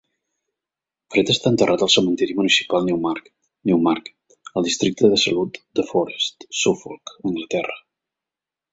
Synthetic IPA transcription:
fɾet̪əst̪aənt̪ərʔat̪əlˠsəmənt̪ɛɾimunisi̥palˠnɛwmak | nɛwmaɾk | əlˠd̪ist̪ɾik̚t̪əðəsəlut̪d̪əfɔɾest̪sufolˠkəŋɡlət̪ɛrə

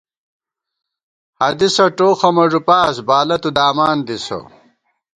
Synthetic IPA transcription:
hɐd̪isɐʈoːxɐmɐʐupaːsbaːlɐt̪ud̪aːmaːnd̪iso̰

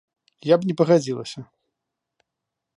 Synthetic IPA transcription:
jabnʲɛpɐɣad͡zʲilˠɐ̰sʲɐ

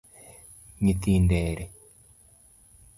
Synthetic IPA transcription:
ɲit̪iːndeːɾe

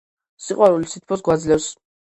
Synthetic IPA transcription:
siqʼwaɾulisit̪ʰpʰɔsɡwad̪zlɛfs

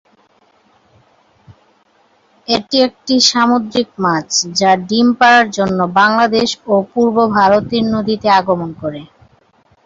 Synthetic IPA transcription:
eʈiek̚ʈiʃamod̪ɾikmat͡ɕʰd͡ʑaɖimpaɾaɾd͡ʑonːobaŋlad̪eʃopuɾbobʱaɾot̪iɾnod̪ʱit̪eaɡomonkoɾe

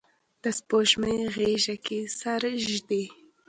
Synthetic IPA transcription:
d̪̥əspoʃməjɣeʒakesaɾʒd̪e

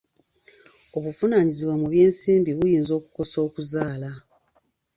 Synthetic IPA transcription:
o̞βufunaːɲiziβwamuβje̞ːnsiːmbiβujiːnzo̞ːku̥ko̞so̞ːkuzaːla

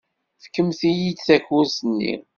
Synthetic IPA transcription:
fkːəmθijid̪θæçʊɾsənːḭ

